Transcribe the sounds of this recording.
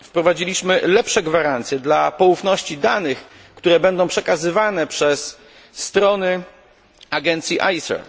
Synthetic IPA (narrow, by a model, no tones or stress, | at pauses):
fpɾɔvad͡ʑilʲiɕmɘlɛpʂɛɡvaɾant̪sjɛd̪lapɔufnɔɕt͡ɕid̪anɘx | kt̪uɾɛbɛnd̪ɔ̃w̃pʂɛkazɘvanɛpʂɛsː | t̪ɾɔnɘ | aɡɛnt̪sʲjiʔa̰jsɛ̰ɾ